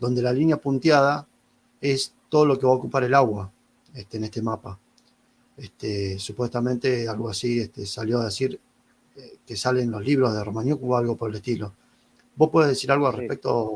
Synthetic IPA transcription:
d̪o̞nd̪e̞lalinjapunt̪jað̞a | est̪o̞ð̞o̞lo̞keβaokupaɾe̞laɣwa | et̪enest̪e̞mapa | est̪esupwe̞st̪amẽnt̪e̞alɣoasieht̪esaljo̞að̞esiɾ | kesale̞nlo̞sliβ̞ɾozðe̞romanjukualɣo̞poɾeleht̪ilo̞ | bo̞hpwe̞ðeðesiɾalɣoalrepek̚t̪o

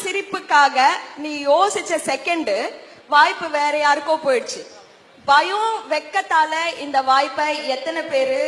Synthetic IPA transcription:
sɪɾɪpːɯkːaːɣɐniːjoːsɪt͡ʃːɐsɛkːɐɳɖɯ | ʋaːjpːɯʋeːɾɐjaːɾɯkːõpoːjɪɽɯt͡ʃːɯ | bɐjõʋɛkːɐt̪ːaːlɐɪnd̪ɐʋaːjpːɐɛt̪ːɐnɐpeːɾɯ

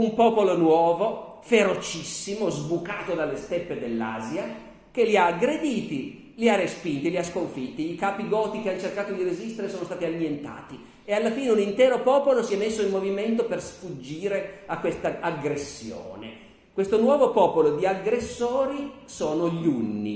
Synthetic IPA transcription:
umpɔːpolonwɔːvo | feɾot͡ʃisːimozbukaːt̪od̪alːest̪epːed̪elːa̰ːzia | keliaːɡɾed̪iːt̪i | liarːespint̪iliaskoɱfit̪ːiːkaːpiɡɔːt̪ikeant͡ʃerkaːt̪od̪iɾezist̪eɾesoːnost̪aːt̪iamjent̪a̰ːt̪i | ealːafiːneunint̪ɛːɾopɔːpolosiɛmːesːoimmːoviment̪opersfud͡ʒːiːɾeakːwest̪aaɡɾesːjo̰ːnḛ | kwest̪onwɔːvopɔːpolod̪iaɡɾesːoːɾisoːnoʎunːḭ

